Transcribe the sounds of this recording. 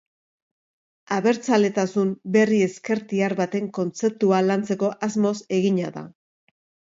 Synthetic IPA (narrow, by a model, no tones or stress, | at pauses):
aβe̞ɾt͡sale̞t̪asumbe̞rie̞ske̞ɾt̪iaɾβat̪e̞ŋko̞nt͡se̞p̚t̪ualant͡se̞ko̞ʔazmo̞se̞ɣiɲaða̰